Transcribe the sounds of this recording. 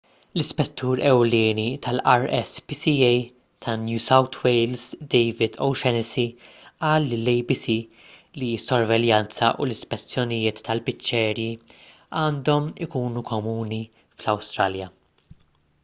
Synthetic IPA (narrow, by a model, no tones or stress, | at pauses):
lɪspɛt̪ʰːuːɾɛwlɪːnit̪ʰɐlʔɐɾɛspisiɛj | t̪ʰɐnjuːsɐwt̪ʰwejlzd̪ɛjvɪd̪o̰wʃɛnɪsiʔɐːlːɪlɛjbisi | lisːɔɾvɛljɐnt͡sɐ̰ʔṵlɪspɛt͡sːjɔnɪjɪːt̪ʰːɐlpɪt͡ʃːɛːɾji | ɐːnd̪ɔmɪkuːnukʰɔmuːni | flɐwst̪ɾɐljɐ